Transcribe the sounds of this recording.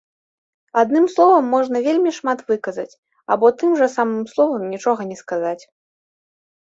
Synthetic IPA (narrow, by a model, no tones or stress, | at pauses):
ad̪̚nɨmslˠɔvɐmːɔʐnɐvʲelʲmʲiʂmat̪vɨkɐzɐt͡sʲ | a̰bɔt̪ɨmʐɐsamɨmslˠɔvɐmnʲit͡ʂɔɣɐnʲɛskazat͡sʲ